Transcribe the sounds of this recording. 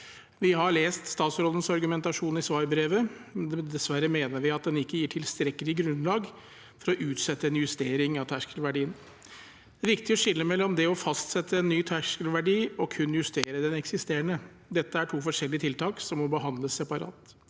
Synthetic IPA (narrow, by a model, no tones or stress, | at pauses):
ʋɪhɑɭeːst̪st̪ɑːt̪sɾɔlən̩sɑɾɡʉmɛnt̪ɑʂuːnɪsʋɑɾbɾeːʋəd̪ɛsʋæɾəmeːnəɾʋɪɑt̪̚d̪ɛnɪkːəjiːʈʰɪlst̪ɾɛkːəlɪɡɾʉnlɑːɡ | fɔɾɔʔʉːt̪sɛt̪ːəɛnjʉst̪eːɾɪŋɑʋt̪ʰæʂkəlʋæɖiːən | d̪ɛæʋɪkt̪ɪɔʂɪlːəmɛlːɔmd̪ɛɔfɑst̪sɛt̪ːəɛnːyːt̪ʰæʂkəlʋæɖiːɔkʰʉnːjʉst̪eːɾəd̪ɛnɛksɪst̪eːɾəɳə | d̪ɛt̪ːəæʈʰuːfɔʂɛlːɪət̪ʰɪlt̪ʰɑːksɔmːɔbəɦɑnd̪ləsːɛpɑɾɑ̰ːt̪